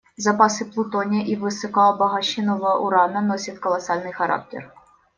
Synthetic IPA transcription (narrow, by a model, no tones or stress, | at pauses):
zɐpɑsɪplˠʊt̪ɔnʲɐʔiʋɪsɔkɑɔbɐɦɐʃʲɪnɔʋɐʔṵɾɑnɐnɔsʲɐt̪ʲkɔlˠɐsɑlʲnɪjxɐɾɑ̰k̚tʲɛ̰r